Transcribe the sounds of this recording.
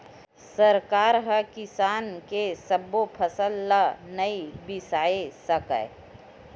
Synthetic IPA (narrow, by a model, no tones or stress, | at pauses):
səɾkaːɾɦəkɪsaːnkesəbːopʰəsəlːanəibɪsaːesəkə̰